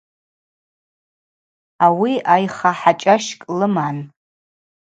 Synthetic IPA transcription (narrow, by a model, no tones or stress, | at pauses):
awiajχaħat͡ʃʼaʃkʼlɨman